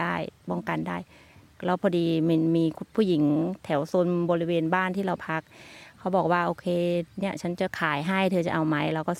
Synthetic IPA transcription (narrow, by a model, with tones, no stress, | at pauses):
aː˥˩jpɔː˧˥˩ŋka˧˨ndaː˥˩j | lɛ˧˥wpʰɔː˧diː˧mi˧miː˧pʰuː˥˩ji˩˦ŋt̪ʰɛ˨˩˦wso˧nbɔː˧ɾi˦˥weː˧nbaː˥˩˨nt̪ʰiː˥˩ɾa˧wpʰa˦˥k̚ʰːa˦˥wbɔː˨˩k̚waː˧˩ʔoː˧kʰeː˧ni˦˥˩ɐt͡ɕʰa˦˥nt͡ɕa˨˩kʰaː˨˩˦jɦa˥˩jt̪ʰɤː˧t͡ɕa̰˨˩ʔa˧wma˦˥jɾa˧wkɔː˥˩